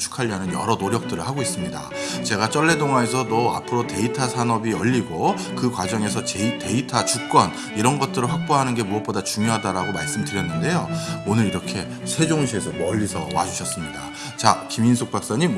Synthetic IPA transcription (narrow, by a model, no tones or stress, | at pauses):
t͡ɕʰu̥kʰaʎːiɦanɯnjʌ̰ɾʌnoɾjʌk̚t͈ɯɾɯɭɦaɡois͈ɯmɲida̰ | t͡ɕe̞ɡat͡ɕ͈ʌɭːe̞doŋaes̬ʰʌdoa̰pʰɯɾote̞itʰasʰanʌbiʌʎːiɡo | kɯkwad͡ʑʌŋe̞sʰʌt͡ɕeite̞itʰat͡ɕuk̚k͈wʌn | iɾʌnɡʌt̚t͈ɯɾɯɭɸak̚p͈oɦanɯnɡe̞muʌt̚p͈odat͡ɕuŋjoɦadaɾaɡomaɭs͈ɯmdɯɾjʌnːɯnde̞joonɯɾiɾʌkʰe̞ | sʰe̞d͡ʑoŋɕʰie̞s̬ʰʌmʌʎːisʰʌwa̰d͡ʑuɕʰʌs͈ɯmɲida | t͡ɕakiminsʰok̚p͈ak̚s͈ʌɲim